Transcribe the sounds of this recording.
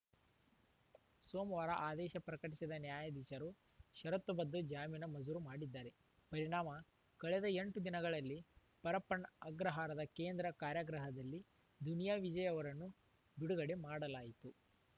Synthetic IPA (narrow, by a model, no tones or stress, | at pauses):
soːmʋaːɾɐʔaːd̪ɛːʃɐpɾɐkɐʈisid̪ɐnjaːjɐd̪it͡ʃɐɾu | ʃɐɾɐt̪ːubɐd̪ːud͡ʒaːmiːnɐmɐd͡ʒuɾumaːɽid̪ːaːɾe̞ | pɐɾiɳaːmɐ | kɐɭɛd̪ɐeɳʈud̪inɐɡɐɭɐlːi | pɐɾɐpːɐɳɐɡɾɐɦaːɾɐd̪ɐkeːnd̪ɾɐkaːɾjɐɡɾɐɦɐd̪ɐlːi | d̪unijaːʋid͡ʒɐjɐʋɐɾɐnːu | biɽuɡɐɽe̞maːɽɐlaːjit̪u